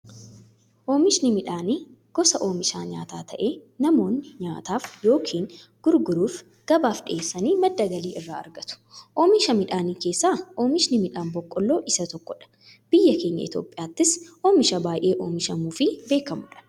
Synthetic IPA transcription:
ʔoːmɪʃnɪmɪᶑaːni | ɡ̥ɔsɐʔo̞ːmɪʃaːɲa̰ːt̪aːt̪ʰɐʔe̞ːnɐmo̞ːnːɪɲaːt̪aːfjo̞ːkʰiːŋɡ̥ʊɾɡʊɾuːf | ɡ̥ɐbaːfɗɪʔeːsːɐniːmɐd̪ːɐɡɐliːʔɪrːaːɐ̰ɾɡɐt̪ʊ̥ʔoːmɪʃɐmɪᶑaːniːke̞ːsːaːo̞ːmɪʃnɪmɪᶑaːnbɔkʼːɔlːo̞ːʔɪsɐt̪ɔkːɔᶑɐ̥ | b̥ɪjːɐke̞ːɲːɐ̰ʔɪ̰t̪jo̞̰ːpʼːɪjaːt̪ːɪsʔoːmɪʃɐbaːjʔe̞ːʔoːmɪʃɐmuːfɪbe̞ːkɐmʊᶑɐ̥

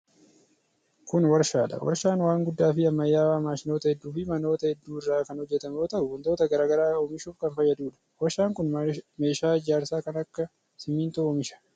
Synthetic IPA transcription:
kʊnwɐɾʃaːᶑɐ̰wɐ̰ɾʃaːnwaːŋɡʊd̪ːaːfɪɐmːɐjːaːwaːmaːʃɪnoːt̪ɐhɛd̪ːuːfɪmɐno̞ːt̪ɐhɛd̪ːuːɪrːaːkɐnhɔd͡ʒːɛt̪ɐmoːt̪ɐʔʊʊnt̪o̞ːt̪ɐɡɐɾaːɡɐɾaːɔmɪʃuːfkɐnfɐjːɐd̪uːᶑɐ̥wɐɾʃaːŋkʊnmeːʃaːɪd͡ʒaːɾsaːkɐnɐkːɐ | sɪmːiːnt̪ʊɔmɪʃɐ̥

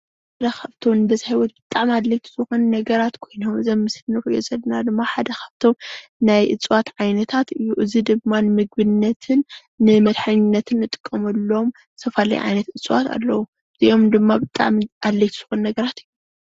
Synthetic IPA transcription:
ħad̪ɐxʰɐβt̪ʰomɨnɨb̪ɐzihajwɔt̪b̥ɨt̪ʼaʕmad̪lɐjt̪ʰɨ̥zɨxunnɐɡɐɾat̪kʰo̞jnomɨzɐmːɨslɨnɨɾo̰zɐlːnad̪ɨmːaħad̪ɐxʰḁβt̪ʰo̞mnajʔɨ̰t͡sʼwat̪ʕajnɐt̪ʰat̪ɨjːuʔɨzid̪ɨmmːanɨmɨɡ̚bɨnːɐt̪ʰɨnː | ɨmɐd̪ħaɲɪnːɐt̪ʰɨnːɨt̪ʼɨ̥kʼːɐmɐlːo̞m | sʰɐfala̰j̰ʕa̰jnɐt̪ɨt͡sʼwa̰t̪ʰa̰lːɐwu | ɨziʔo̞md̪ɨmːabɨt̪ʼa̰ʕmad̪lɐjt̪ʰɨz̥ɨxunnɐɡɐɾat̪ɨjːu

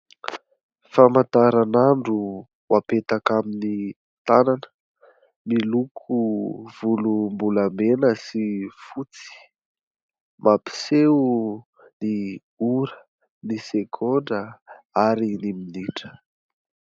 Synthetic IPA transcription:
famant̪aɾanaɳɖ͡ʐu | wapet̪akamini | t̪ananə̥ | milukʰuv̥ulumbulamenəsifut͡si̥ | mʔapi̥seu | ni | uɾə | nisekʰoɳɖ͡ʐə | aɾiniminiʈ͡ʂə̥

